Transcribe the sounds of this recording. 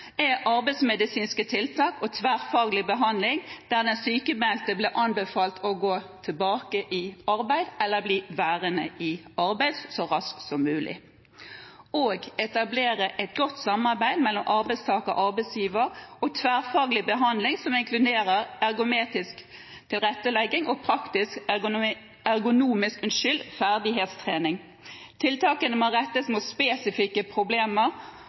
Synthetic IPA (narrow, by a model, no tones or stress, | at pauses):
æʔɑɾbæɪsmɛd̪ɪsiːnskət̪ʰɪlt̪ʰɑːkɔt̪ʰʋæːʁfɑːɡlɪbəɦɑnd̪lɪŋd̪̥æːʁd̪ɛnsyːkəmɛlt̪əbleːʔɑnbəfɑːlt̪ʰɔɡoːt̪ʰɪlbɑːkəʔɪɑɾbæɪd̪ɛlːəʁbliːʋæːʁənəʔɪɑɾbæɪd̪ssɔʁɑsksɔmːʉːlʔɪ̰ | oːɡɛt̪ɑbleːʁəʔɛt̪̚ɡɔt̪ːsɑmːɑʁbæɪd̪mɛlːɔmʔɑʁbæɪst̪ʰɑːkɔ̰ʔɑʁbæɪsjiːʋəɾɔt̪ʰʋæːʁfɑːɡlɪbəɦɑnd̪lɪŋsɔmɪŋkʰlʉd̪eːɾəʁɑɾɡʊmeːt̪ɪsk | t̪ʰɪlʁɛt̪ːəlɛɡːɪŋɔpʰʁɑkt̪ɪsk | œɾɡʊnuːmɪskʉnʃʏlfæʁd̪ɪɦeːt̪st̪ʰʁeːnɪŋ | t̪ʰɪlt̪ʰɑːkənəmoʁɛt̪ːəsmʊspeːsɪfɪkːəpʰʁʊbleːməʁ